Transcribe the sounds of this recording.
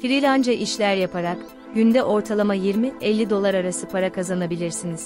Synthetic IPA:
fiɾilʲand͡ʒaʔiʃlʲæɾjapʰaɾak | ɟynd̪ɛʔo̞ɾt̪ʰalˠamajiɾmiɛlʲːid̪o̞lˠaɾaɾasɯpʰaɾakʰazanabilʲiɾsiniz̥

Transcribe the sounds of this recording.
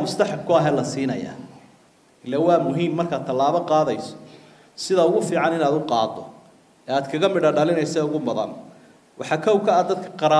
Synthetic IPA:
mʊst̪ʰɐħɑb̚kʰʊɐɦɛːlɐsiːnɐ̰ja̰ː | ɪlːɛwɑːmʊɦiːmːɐrkʰaːt̪̚t̪ʰɐlaːβɐqɑːðɐjsɔ̥ | sɪðɐʊɣʊfiːʕɑnɪnaːd̪ʊqɑ̰ːd̪ɔ̰ | ɛːaːd̪kʰɐɣɐmɪɽɐɖɐlɪnɛjsɛːʊɣʊmɐðɐ̰n | wʔɑħɑkʰɔwkʰɐːd̪ɐd̪kʰɐ̥qɑɾa

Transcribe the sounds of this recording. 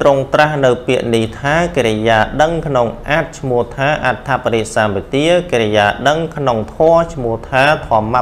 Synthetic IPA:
t̪roŋt̪rahnɨwpiəʔniht̪ʰaːkeɾɛjaːɗəŋkʰnoŋʔaːt̪̚t͡ɕʰmʊəht̪ʰaːʔat̪ʰːapaɾiʔ̚saːmʋit̪iəkeɾɛjaːɗəŋkʰnoŋt̪ʰɔət͡ɕʰmuəht̪ʰaːt̪ʰɔ̆əma

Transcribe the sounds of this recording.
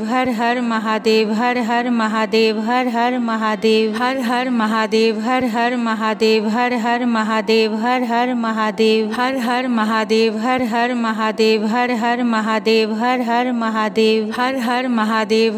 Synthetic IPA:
ʋɦɐɾɦɐɾmɐɦaːd̪eːʋɦɐɾɦɐɾmɐɦaːd̪eːʋɦɐɾɦɐɾmɐɦaːd̪eːʋɦɐɾɦɐɾmɐɦaːd̪eːʋɦɐɾɦɐɾmɐɦaːd̪eːʋɦɐɾɦɐɾmɐɦaːd̪eːʋɦɐɾɦɐɾmɐɦaːd̪eːʋɦɐɾɦɐɾmɐɦaːd̪eːʋɦɐɾɦɐɾmɐɦaːd̪eːʋɦɐɾɦɐɾmɐɦaːd̪eːʋɦɐɾɦɐɾmɐɦaːd̪eːʋɦɐɾɦɐɾmɐɦaːd̪eːʋ

